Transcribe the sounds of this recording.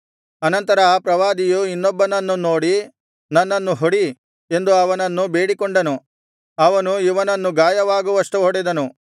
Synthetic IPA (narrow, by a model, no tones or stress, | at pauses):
ɐnɐnt̪ɐɾɐpɾɐʋaːd̪ijuinːɔbːɐnɐnːunoːɽi | nɐnːɐnːuɦoɽi | e̞nd̪uɐʋɐnɐnːubeːɽikɔɳɖɐnu | ɐʋɐnuiʋɐnɐnːuɡaːjɐʋaːɡuʋɐʂʈuɦɔɽɛd̪ɐnu